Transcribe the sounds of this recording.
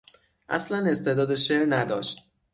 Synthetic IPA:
ʔæ̰slæne̞st̪ʰe̞d̪ɒːd̪eʃeɾnæd̪ɒːʃt̪̚

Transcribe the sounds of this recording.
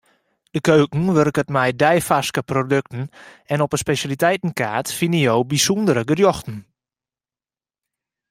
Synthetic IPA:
d̥əkøːkŋ̩ʋørkətmɛjdɛjfaskəprodøk̚tn̩ɛnɔpəspesjalitɛjtn̩ka̰ːtfinəjowbisundəɾəɡərjoxtn̩

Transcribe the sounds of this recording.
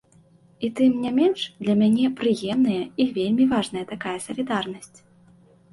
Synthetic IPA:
it̪ɨmnʲamʲɛnʂd̪lʲɐmʲanʲɛpɾɨjɛmnɨjɛivʲelʲmʲivaʐnɐjɐt̪akajɐsɐlʲid̪arnɐsʲt͡sʲ

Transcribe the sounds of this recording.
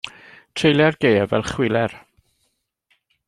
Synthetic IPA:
tʰrejlˠjɛrɡ̥ejɛvɛ̰lˠχwɪlˠɛr

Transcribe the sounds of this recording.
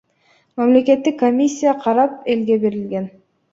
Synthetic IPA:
mamle̞ke̞t̪ːikːomʲisʲːijaqʰɑɾɑp̚e̞lɡe̞be̞ɾilɡe̞n

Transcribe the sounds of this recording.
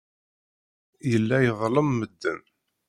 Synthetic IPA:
jəlːæjəðˤləmːəd̪ːən

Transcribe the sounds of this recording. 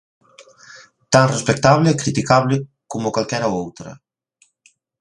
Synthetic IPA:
t̪anrespək̚t̪aβleikɾit̪ikaβle | kɔmokwalˠkɛɾaowt̪ɾə̰

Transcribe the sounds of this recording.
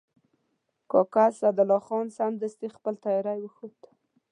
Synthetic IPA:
kokasad̪alɔxonsand̪əst̪ixpəlt̪ɑjɔɾajwəxut̪

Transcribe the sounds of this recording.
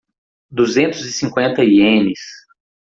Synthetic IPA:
d̪uzẽnt̪ʊzɪsĩŋkwẽnt̪ɐiẽmɪs

